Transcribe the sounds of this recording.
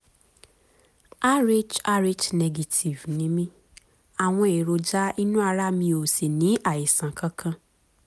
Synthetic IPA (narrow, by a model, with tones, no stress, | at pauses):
a˦ɾe˦d͡ʒa˦ɾe˦d͡ʒnɛ˧ɡe˧tʰi˨vnĩ˨˦mĩ˦ | a˨w̃ɔ̃˧e˨ɾo˧d͡ʒa˦i˦nũ˦a˧ɾa˦mĩ˧o˨se˨nĩ˨˦a˦˨e˨sã˨kʰã˦kʰã˧